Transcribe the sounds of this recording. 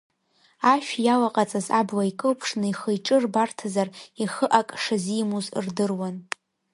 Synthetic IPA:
aʃᶣjawaqʼat͡sʼazabwaikʼɨlpʰʂnɨiχəjʈ͡ʂʼɨrbartʰazariχəʔakʼʂazijmuzrdɨrwan

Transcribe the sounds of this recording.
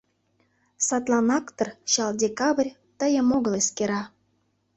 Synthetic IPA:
sɑt̪lˠɑnɑkt̪ɤrɕɑldʲekɑβrʲ | t̪əjə̆moɣəleskeɾɑ

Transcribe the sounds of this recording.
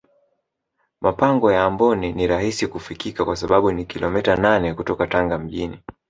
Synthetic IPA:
mʔapaŋɡɔjaːmbɔniniɾahisikufikikakwas̬aɓaɓunikilʔɔmɛtananɛkutɔkataŋɡam̩ʄini

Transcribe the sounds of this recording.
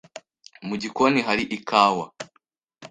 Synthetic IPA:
muɟikoniɦaɾiʔikʰaːwa

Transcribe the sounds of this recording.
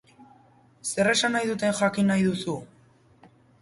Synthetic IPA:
se̞re̞sanajðut̪e̞nxakinajðusu

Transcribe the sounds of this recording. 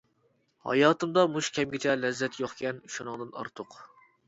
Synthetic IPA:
hɑ̰jɑːt̪ɨmd̪ɑmuʃkʲʰɛmɡʲɪt͡ʃʰɛlɛzːɛt̪ʰjoχkʲɛnʃunɨŋd̪ɨnɑ̰ɾt̪ʰʊq

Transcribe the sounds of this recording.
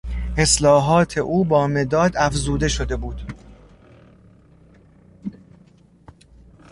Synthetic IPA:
ʔe̞slɒːɦɒːt̪ʰe̞ʔuːbɒːme̞d̪ɒːd̪æfzuːd̪e̞ʃo̞d̪e̞buːd̪̥

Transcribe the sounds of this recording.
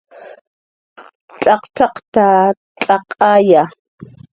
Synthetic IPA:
t͡ɬʼɑqt̪ʰɑqt̪a | t͡ɬʼaqʼaja

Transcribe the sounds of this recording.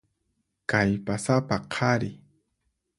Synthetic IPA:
kajpasapaqʰɑɾɪ

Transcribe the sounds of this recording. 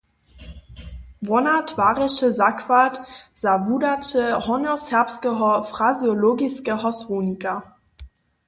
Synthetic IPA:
bɔnatv̥aːʁɪʃəzakv̥atz̥avudat͡ʃəhɔnɔshɛɐpskəɦɔfʁ̥azjoloːɡɪskəɦɔsʁoːnika

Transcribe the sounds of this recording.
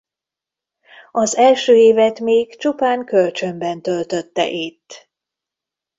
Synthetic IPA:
ɒzɛlʃøːeːvɛt̪meːkt͡ʃupaːŋkølt͡ʃømbɛnt̪ølt̪ø̞t̪ːɛ̰ʔit̪ː

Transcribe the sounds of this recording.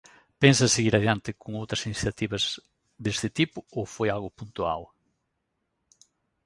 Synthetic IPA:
pensɐseɣiɾaðjant̪ɪkoŋowt̪ɾɐsiniθjat̪iβɐz | ðest̪ɪt̪ipʊofojalɣʊpunt̪ua̰w

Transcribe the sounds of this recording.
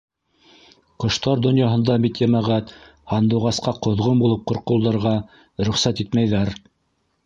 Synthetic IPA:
qŏʃt̪ɑɾd̪ŏnjɑɦɤ̆nd̪ɑbit̪jæmæʁæt̪ | hɑnd̪ŭwʁɑsqɑqŏðʁombulˠɤp̚qŏɾqɤ̆lˠd̪ɑ̆ɾʁɑ | ɾɵ̆χsæt̪it̪mæjðæɾ

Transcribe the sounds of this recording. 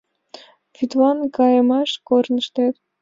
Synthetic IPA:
fʲyt̪wɑnkɑjəmɑʃkornə̆ʃt̪et̪

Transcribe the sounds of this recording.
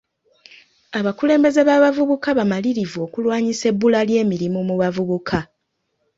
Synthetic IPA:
aβakule̞ːmbe̞ze̞βaβavuβukaβamaliɾivuo̞ːkulwaːɲise̞bːulalje̞ːmiɾimumuβavuβukʰa

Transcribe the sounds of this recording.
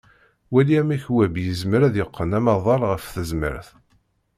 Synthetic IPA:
wæliæmæçwæbjəzməɾæðjəqʰːənæmɑðˤɑɾˤʁəfθəzmə̰ɾθ

